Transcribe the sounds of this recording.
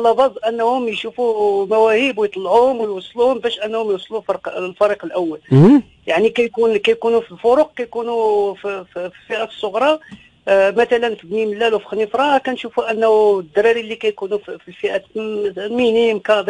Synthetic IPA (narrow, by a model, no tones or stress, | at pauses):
lːɑbɑzˤʔənːhʊmjʃufumæwæhibwjt̪ˤɑlːʕuhʊmwjwɑsˤːluhʊmbæʃʔənːhʊmjwsˤlulfɑɾqlfɑɾiqəlʔəwːæl | jaʕnikæjkunkæjkunufilfʊɾuq̚kæjkunufffilfiʔæ̥sˤːoɣɾˤɑ | mæt̪ælənfibniməlːælwfi̥xnifɾˤɑkænʃufuʔənːhd̪ːɾˤɑɾilːikæjkunuffilfiʔæ | minimkæd̪